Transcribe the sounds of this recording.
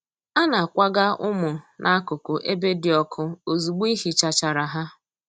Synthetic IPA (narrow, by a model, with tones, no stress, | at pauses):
a˦na˨kʷa˦ɡa˦ʊ˦mʊ˨nʔa˦a˦kʊ˨kʊ˨ʔe˦be˦dɪ˨ɔ˦kʰʊ˦o˨zu˨ɡ͡bi˦ɦi˨t͡ʃa˨t͡ʃa˨ɾa˨ɦa˦